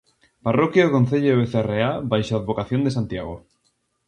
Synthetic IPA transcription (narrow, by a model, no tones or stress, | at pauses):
parokjaokon̟θeʎoeβeθereabajʃaaðβokaθjond̪esant̪jaɣo